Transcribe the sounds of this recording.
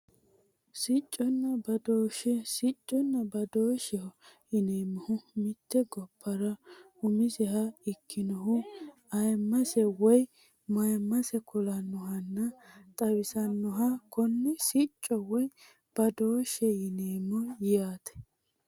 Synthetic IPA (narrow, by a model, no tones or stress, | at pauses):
sɪt͡ʃʼːɔnːɐbɐd̪oːʃɛsɪt͡ʃʼːɔnːɐbɐd̪oːʃɛhʊ | ɪneːmːɔhʊmɪt̪ːɛɡɔpʰːɐɾɐ | ʊmɪsɛɦɐɪkːɪnɔɦʊ | ɐjmːɐsɛwɔj | mɐjmːɐsɛkɔlɐnːɔɦɐnːɐt̪ʼɐwɪsɐnːɔɦɐkɔnːɛsɪt͡ʃʼːɔwɔj | b̥ɐd̪oːʃɛɪneːmːɔjɪjaːt̪ɛ̥